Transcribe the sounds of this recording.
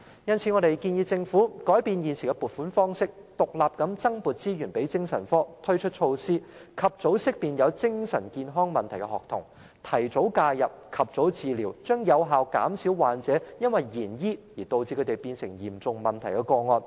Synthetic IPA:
jɐ˥nt͡sʰiː˨˥ŋɔː˨˧ɾe˨jkiː˧njiː˧t͡sɪ˧ŋfuː˨˥kɔː˨˥jpiː˧njiː˨nsi˨˩kɛ˧puː˨˩t̚fuː˨˥nfɔː˥ŋsɪ˥k̚t̪ʊ˨k̚laː˨p̚kɐ˨˥mt͡sɐ˥ŋpuː˨t̚t͡siː˥jyː˨˩npe˨˥jt͡sɪ˥ŋsɐ˨˩nfɔː˥t̪ʰɵ˥ɥt͡ʃʰɵ˥t̚t͡ʃʰo˧wsiː˥kʰɐ˨p̚t͡so˨˥wsɪ˥k̚piː˨njɐ˨˧wt͡sɪ˥ŋsɐ˨˩nkiː˧nɦɔː˥ŋmɐ˨nt̪ʰɐ˨˩jkɛ˧hɔː˨k̚t̪ʰʊ̰˨˩ŋ | t̪ʰɐ˨˩jt͡so˨˥wkaː˧jɐ˨p̚kʰɐ˨p̚t͡so˨˥wt͡siː˨˧liː˨˩wt͡ʃœː˥ŋjɐ˨˧wɦaː˨wka̰ː˨˥msiː˨˥wwaː˨nt͡sɛː˨˥jɐ˥nwɐ˨jːiː˨˩njiː˥jiː˨˩t̪o˧wt͡siː˧kʰte˨˩jpiː˧nsɪ˨˩ŋjḭː˨˩mt͡sʊ˨ŋmɐ˨˩nt̪ʰɐ˨˩jkɛ˧kɔː˧ŋɔː˧n

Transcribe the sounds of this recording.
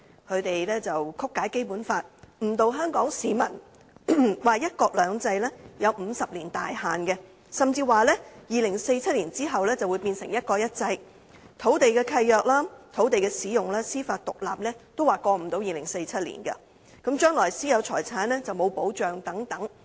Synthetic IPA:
kʰɵ˨˧t̪e˨jlɛː˥t͡sɐ˨wkʰʊ˥kːaː˨˥jke˥jpuː˨˥nfaː˧t̚m̩ː˨˩t̪o˨wɦœː˥ŋkɔː˨˥ŋsiː˨˧mɐ̰˨˩n | waː˨jɐ˥t̚kɔː˧k̚lœː˨˧ŋt͡sɐ˧jlɛː˥jɐ˨˧wm̩˨˧sɐ˨p̚liː˨˩nt̪aː˨jhaː˨nɡɛ˧ | sɐ˨mt͡siː˧waː˨˩lɛː˥jiː˨lɪ˨˩ŋse˧jt͡sʰɐ˥t̚liː˨˩nt͡siː˥ɦɐ˨wlɛː˥t͡sɐ˨wuː˨˧jpiː˧nsɪ˨˩ŋjɐ˥t̚kɔː˧jɐ˥t̚t͡sɐ˧j | t̪ʰo˨˥wt̪e˨jkɛː˧kʰɐ˧jːœː˨k̚laː˥t̪ʰo˨˥wt̪e˨jkɛː˧siː˨˥jʊ˨˩ŋlaː˥siː˥faː˧t̚t̪ʊ˨k̚la̰ː˨p̚nɛː˥t̪o˥waː˨kɔː˧m̩˨˩t̪o˨˥wjiː˨lɪ˨˩ŋse˧jt͡sʰɐ˥t̚lḭː˨˩nkɐ̰˧ | kɐ˨˥mt͡ʃœː˥ŋlɔː˨˩jsiː˥jɐ˨˧wt͡ʃʰɔ̰ː˨˩jt͡sʰaː˨˥nɛː˥t͡sɐ˨wmo˨˧wpo˨˥wt͡ʃœː˨ŋt̪ɐ˨˥ŋt̪ɐ˨˥ŋ

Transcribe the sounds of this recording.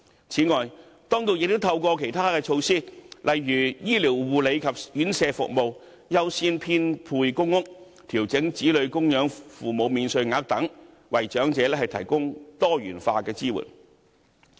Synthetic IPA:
t͡sʰiː˨˥ŋɔː˨j | t̪ɔː˥ŋt̪o˧wjɪ˨k̚t̪o˥wt̪ʰɐ˧wkʷɔː˧kʰe˨˩jt̪ʰaː˥kɛː˧t͡ʃʰo˧wsiː˥lʔɐ˨jːyː˨˩jiː˥liː˨˩wwuː˨le˨˧jkʰɐ˨p̚jyː˨˥nsɛː˧fʊ̰˨k̚mo˨˧w | jɐ˥wsiː˥npʰiː˥npʰuː˧jkʊ˥ŋːʊ˥k̚ | t̪ʰiː˨˩wt͡sɪ˨˥ŋt͡siː˨˥lɵ˨˧ɥkʊ˥ŋjœː˨˥ŋfuː˨mo˨˧wmiː˨˧nsɵ˧ɥŋaː˧˥k̚t̪ɐ˨˥ŋ | wɐ˨jt͡ʃœː˨˥ŋt͡sɛː˨˧˥lɛː˥hɐ˨jt̪ʰɐ˨˩jkʊ˥ŋt̪ɔː˥ɥyː˨˩nfaː˧kɛː˧t͡siː˥wṵ˨˩n

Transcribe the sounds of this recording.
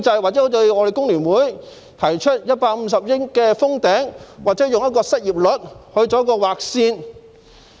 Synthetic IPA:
t͡sɐ˧jwaː˨k̚t͡sɛ˨˥ht̪ɵ˧ɥŋɔ˨˧e˨jkʊ˥ŋlyː˨˩nwuː˨˥j | t̪ʰɐ˨˩jt͡ʃʰɵ˥t̚jɐ˥t̚paː˧k̚m̩˧s̬ɐ˨p̚jɪ˥ŋkɛː˧fʊ˥ŋt̪ɛː˨˥ŋwaː˨k̚t͡sɛː˨˥jʊ˨ŋjɐ˥t̚kɔː˧sɐ˥t̚jiː˨p̚lɵ˨t̚hɵ˧ɥt͡sɔ˨˧˥k̬ɔː˧waː˨˩k̚siː˧n

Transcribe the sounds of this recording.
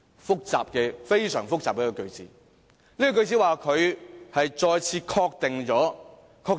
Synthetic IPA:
fʊ˥k̚t͡sa̰ː˨p̚kɛː˧fe˥jsœ̰ː˨˩ŋfʊ˥k̚t͡saː˨p̚kɛː˨˥kɔ˨˧kɵ˧ɥt͡sḭː˨˥ | liː˥kɔ˨˧kɵ˧ɥt͡siː˨˥waː˨kʰɵ˨˧ɥhɐ˨jt͡ʃɔː˧jt͡sʰiː˧kʰɔː˧k̚t̪ɪ˨ŋt͡ʃɔː˨˥ | kʰɔː˧

